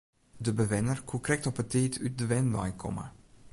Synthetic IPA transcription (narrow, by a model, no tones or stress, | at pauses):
dəbəʋɪnərkʰukrɛk̚tɔpəteːtʰyt̚dəʋɛnba̰jkʰɔ̰mə̰